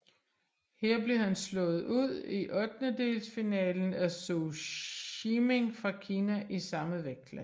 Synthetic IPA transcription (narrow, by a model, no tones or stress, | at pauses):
heɐ̰b̥le̝hænslɔ̽ːð̩ˠuð̰ˠiʔɒ̽d̥nəd̥e̝̰lsfinɛ̰ːln̩æso | ime̝ŋfʁɑ̈kʰiːnæʔisɑ̈məʋeɡ̥ɡ̥læ̰n